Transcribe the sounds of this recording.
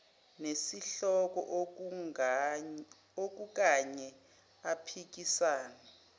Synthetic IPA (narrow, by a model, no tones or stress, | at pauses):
nesiɬɔk̬ʼɔ̰ʔ | ok̬uk̬aɲɛ | apʰik̬isaːnɛ